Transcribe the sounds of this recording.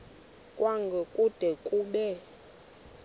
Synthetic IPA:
kʼwaŋɡʱɛkʼud̥ʱɛkʼuɓɛ

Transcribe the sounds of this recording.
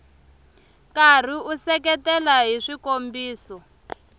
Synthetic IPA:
kar̤iusɛkɛtɛlaɦiʂikombiːsɔ

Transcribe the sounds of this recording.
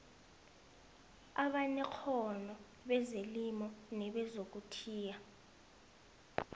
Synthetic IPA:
aɓanɛk͡xʰɔnɔ | ɓɛzelimɔnɛɓɛzok̬utʰiːja

